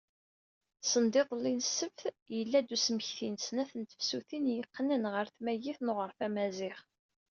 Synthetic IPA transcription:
sənd̪ɪðˤlːinsːəfθjəlːæd̪usməçθinsnæθənt̪ə̥fsuθinjəqːnənʁəɾθmæjiθnoʁəɾfæmæzɪχ

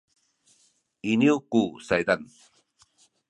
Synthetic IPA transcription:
iniwkusajd̪an

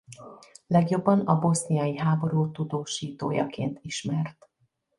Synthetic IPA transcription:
lɛɡjo̞bːɒnɒbo̞snijɒjiɦaːbo̞ɾuːt̪ud̪oːʃiːt̪oːjɒ̰kḛːnt̪iʃmɛrt̪

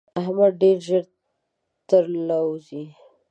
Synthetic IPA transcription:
aɦmad̪ɖeɾʒəɾ | t̪əɾlawzi

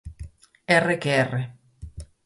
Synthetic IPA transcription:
ɛrɛkɛːrɛ

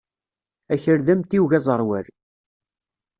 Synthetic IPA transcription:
æçəɾðæmt̪iwʝæzˤəɾˤwæɾ

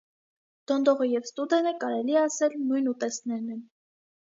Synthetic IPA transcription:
d̪̥ɔnd̪ɔʁəjɛvst̪ud̪ɛnəkɑɾɛliɛɑsɛlnujnut̪ɛsnɛɾnɛn

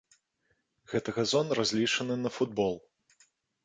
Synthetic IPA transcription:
ɣɛt̪ɐɣɐzɔnrazʲlʲit͡ʂɐnɨnɐfud̪̚bɔlˠ

